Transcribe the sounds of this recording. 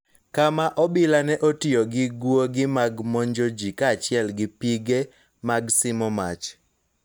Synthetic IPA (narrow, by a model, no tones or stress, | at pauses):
kamaʔɔbɪlanɛʔotioɡɪɡwoɡɪmaɡmɔɲd͡ʒod͡ʒikat͡ʃɪɛlɡɪpiɡe | maɡsɪmɔmat͡ʃ